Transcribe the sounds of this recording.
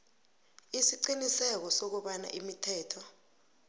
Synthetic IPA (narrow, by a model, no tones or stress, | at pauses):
isiǀinisɛk̬ɔsok̬uɓana̰ʔimitʰɛːtʰɔ